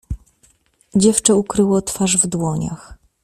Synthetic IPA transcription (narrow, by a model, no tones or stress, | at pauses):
d͡ʑɛft͡ʂɛukɾɘwɔt̪faʐvd̪wɔɲa̰x